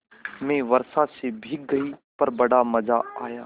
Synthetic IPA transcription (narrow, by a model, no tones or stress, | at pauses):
mẽʋɐɾsasebʱɪk̚ɡɐipɐɾbɐɽamɐzaaːjaː